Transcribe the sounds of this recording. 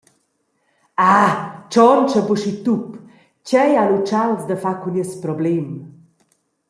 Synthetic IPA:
at͡ʃɔnt͡ʃəbuʃit̪up | cɛjalut͡ʃalsd̪əfakuniəspɾɔblɛm

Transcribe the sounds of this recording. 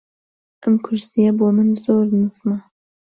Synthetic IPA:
ʔəmkʰʊɾsijɐboːmɨnzoːɾnɨsmɐ

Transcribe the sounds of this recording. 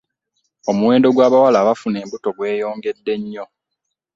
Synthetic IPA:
omuwe̞ːndo̞ɡwaːβawalaːβafune̞ːmbuto̞ɡwe̞ːjo̞ːŋɡe̞dːe̞ɲːo̞

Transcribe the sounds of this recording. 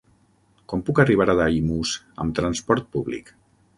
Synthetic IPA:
kɔmpukəriβ̞aɾaðaimuz | ə̰mt̪ɾanspɔɾt̪̚puβlḭk

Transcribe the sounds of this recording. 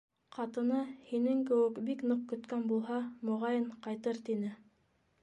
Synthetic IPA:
qɑt̪ɤ̆nɤhinɘŋkɘ̆wɘkbiknoq̚kɵ̆t̪kænbulˠɦɑmŏʁɑjɤɴqɑjt̪ɤɾt̪inɘ

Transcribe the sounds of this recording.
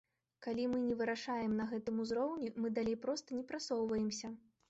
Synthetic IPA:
kalʲimɨnʲɛvɨɾaʂajɛmnɐɣɛt̪ɨmuzɾɔwnʲimɨd̪alʲejpɾɔst̪ɐnʲɛpɾat̪sɔwvɐjɛmsʲɐ

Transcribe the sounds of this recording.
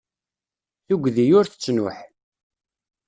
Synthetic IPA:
θʊɡʷðijʊɾθə̥t͡sːnʊ̰ħ

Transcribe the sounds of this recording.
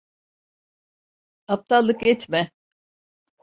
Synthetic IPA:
ap̚t̪ʰalˠːɯkjɛt̪mɛ

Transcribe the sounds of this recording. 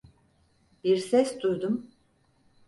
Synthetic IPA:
b̥iɾsɛsd̪uɾd̪um

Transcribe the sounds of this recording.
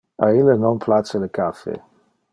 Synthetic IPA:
ailənɔ̃npʰlasələkafḛ

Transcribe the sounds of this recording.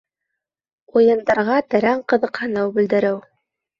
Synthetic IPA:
ujɤ̆nd̪ɑɾʁɑt̪æ̆ɾæɴqɤ̆ðɤ̆qhɤnɤwbɘ̆ld̪ɘ̆ɾɘw

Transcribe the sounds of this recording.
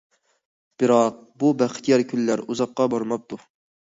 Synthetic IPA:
b̥ɨɾɑq̚bubæχt̪ʰijɑɾkʲʰylːæɾuzɑqːɑbɑɾmɑp̚t̪u

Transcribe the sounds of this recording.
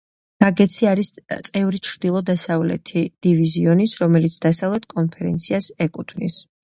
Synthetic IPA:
ɡ̥aɡɛt̪sʰiaɾist̪sʼɛvɾit͡ʃʰɾd̪ilˠɔd̪asavlɛ̰t̪ʰid̪̥iviziɔnisɾɔmɛlit̪sʰd̪asavlɛt̪̚ʰkʼɔnpʰɛɾɛ̰nt̪sʰiasɛkʼut̪ʰvnḭs

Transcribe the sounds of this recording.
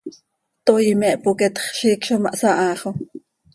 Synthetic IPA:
t̪ojimɛʔpokɛt̪χʃiːkʃomɑʔsɑʔɑːχo

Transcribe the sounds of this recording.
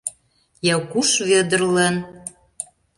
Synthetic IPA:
jɑwkuʃβed̪ə̆rlən

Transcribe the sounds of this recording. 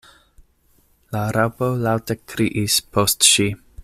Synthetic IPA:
laɾapolawtəkʰɾiʔispʰostʃi

